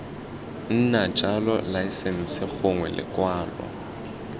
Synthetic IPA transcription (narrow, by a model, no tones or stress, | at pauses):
n̩nat͡ʃʼalɔ̰laisɛn̩sɪk͡xʊŋwɛlɪ̰kʼwaːlɔ̰